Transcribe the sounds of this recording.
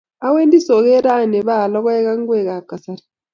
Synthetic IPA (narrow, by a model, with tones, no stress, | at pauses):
a˦weː˦ndi˦so˨ɣe˦ɾa˦ne˨βa˦˨lo˦ɣa˦e˦ɣa˦ŋ˦ɡwe˦˨ɣa˨ka˨sa˦ɾi̥